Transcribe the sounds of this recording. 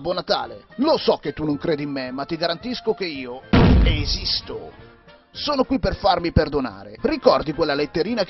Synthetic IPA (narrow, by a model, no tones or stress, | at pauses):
bɔnat̪a̰ːlelosɔk̟ːet̪ːunoŋkɾeːd̪imːemːat̪ːiɡaɾant̪iskok̟eiːoezist̪o | soːnokwipːerfarmiperd̪ona̰ːɾḛrikɔrd̪ikwelːalet̪ːeɾiːnak